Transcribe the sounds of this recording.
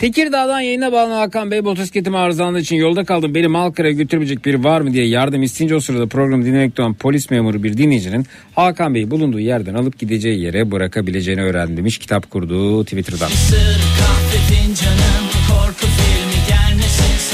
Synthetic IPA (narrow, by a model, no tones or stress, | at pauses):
t̪ʰeciɾd̪aːd̪ˠanjajɯnabalˠanaːkambejbo̞t̪ʰɛscet̪imiaːɾzanɯit͡ʃʰinjo̞lˠd̪akʰalˠd̪ɯmbenimalˠkʰaɾajɟø̞t̪ʰyɾybed͡ʒɛc̚biɾvaɾmɯd̪ijɛjaɾd̪ɯmist̪ʰind͡ʒosuɾad̪apʰɾo̞ɡɾamɯd̪inːʲemɛc̚t̪oanpʰo̞lʲismeːmuɾɯbiɾd̪inːʲed͡ʒinin | haːkambe̞jibulˠund̪uːjæɾd̪ænalˠɯp̚ɟid̪e̞d͡ʒɛjje̞ɾɛbɯɾakʰabilʲe̞d͡ʒe̞jiniø̞ːɾæ̰nd̪imiʃcʰi̥t̪ʰapkʰuɾd̪uːt̪ʰivit̪ʰɾd̪a̰nsɯɾkʰahfefind͡ʒanɯnkʰoɾkʰufiɾniɟæɾnisi